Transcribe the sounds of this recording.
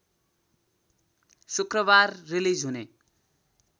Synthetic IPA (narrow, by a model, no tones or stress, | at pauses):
sukrʌbarːilid͡zɦune